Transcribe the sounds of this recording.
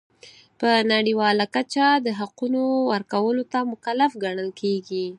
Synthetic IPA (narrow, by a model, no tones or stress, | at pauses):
pənaɽiwɑlakat͡ʃad̪əɦaqunowəɾkawəlot̪amʊkalafɡaɳəlkeɡi